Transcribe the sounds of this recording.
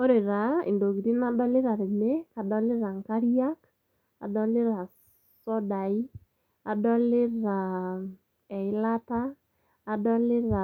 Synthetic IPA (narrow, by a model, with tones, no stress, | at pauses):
o˦ɾe˨ɾa˨ḭ˨ndo˨ɡi˨ɾi˦na˦dɔ˦lɪ˦ɾa˨ɾe˨me˦ka˨dɔ˦lɪ˦ɾa˨ŋka˦ɾi˦a˦k | a˨dɔ˦lɪ˦ɾa˨ | sɔ˦da˨i˦ | a˨dɔ˦lɪ˦ɾa˨ | ɛ˨ɪ˨˦la˦taː˦˨ | dɔ˦lɪ˦ɾa˨